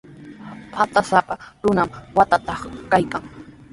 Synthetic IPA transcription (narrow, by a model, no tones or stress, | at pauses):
pʰat̪asapaɾʊnamwat̪at̪ɑχkajkaŋ